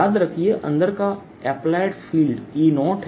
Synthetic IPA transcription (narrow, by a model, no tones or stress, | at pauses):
aːd̪ɾɐkʰieʔɐ̰̃nd̪əɾka | ɛːplaːɪɖfiːlɖiːnɔːʈʰ